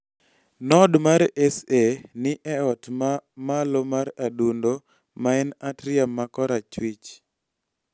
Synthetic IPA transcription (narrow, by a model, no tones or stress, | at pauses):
nɔdmaɾɛsenɪʔɛɔtmalomaɾadundo | maɛnatɾɪamːakɔɾat͡ʃwit͡ʃ